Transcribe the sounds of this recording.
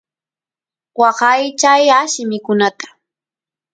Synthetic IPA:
wɑɢɑjt͡ʃajaʃɪmɪkʊnat̪ḁ

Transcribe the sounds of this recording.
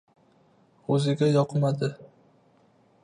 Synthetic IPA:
ɵzɪɡʲajɒqʰɨmad̪ɪ

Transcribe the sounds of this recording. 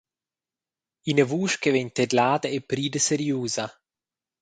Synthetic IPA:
inəvuːʃkevɛɲt̪ed̪laːd̪əepɾiːd̪əseɾjuːza

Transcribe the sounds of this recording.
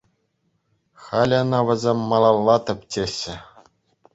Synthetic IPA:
xɑlʲɤ̆nɑʋʲɘ̆zʲemʲːɑlˠɑlˠːɑt̪ɤ̆pʲtʲeɕːɘ̆

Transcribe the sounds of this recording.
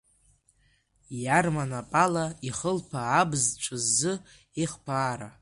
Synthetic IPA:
jarmanapʼalaiχəlpʰaːbzt͡ʃʷʼɨzːɨ | iχpʰaːɾa

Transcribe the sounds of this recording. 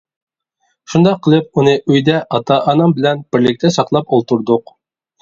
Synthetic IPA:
ʃund̪ɑqʰːəlˠɨp̚unɨʔøjd̪ɛʔɑt̪ʰɑʔɑnɑmbɪlɛnb̥ɪɾlɪk̚ʲt̪ʰɛsɑqlˠɑpolˠt̪uɾd̪ʊq

